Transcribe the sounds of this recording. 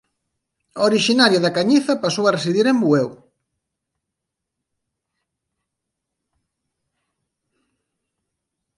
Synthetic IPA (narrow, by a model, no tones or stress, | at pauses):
oɾiʃinaɾjoðakaɲiθɐpasowɐresiðiɾembuew